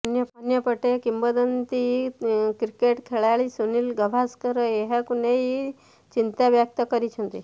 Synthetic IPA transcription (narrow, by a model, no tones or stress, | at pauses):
pɐnjəpənjəpəʈekimbəd̪ənt̪i | kɾikeʈkʰeɭaɭisuniːlɡəʋʱaskəɾəeɦekuneɦi | t͡ɕint̪aʋjək̚t̪əkəɾit͡ʃʰont̪i